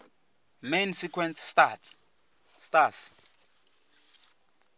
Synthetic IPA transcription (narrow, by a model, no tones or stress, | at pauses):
mensikʰwɛnssat | stas